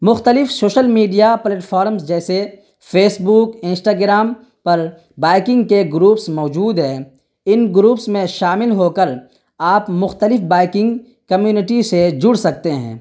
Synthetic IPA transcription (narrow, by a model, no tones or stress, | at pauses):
mʊxt̪əlɪfsoːʃəlmiːɖijapleːʈfʰaːɾmsd͡ʒɛːse | pʰeːsbuːkɪ̃nsʈaːɡɾaːm | pɐɾ | baːɪkɪ̃ŋɡkeɡɾuːpsmɔːd͡ʒuːd̪ɦɛ̃ː | ɪnɡɾuːpsmẽʃaːmɪlɦokəɾ | aːpmʊxt̪əlɪfbaːɪkɪ̃ŋɡ | kɐmjuːnɪʈised͡ʒʊɽsɐk̚t̪eɦɛ̰̃ː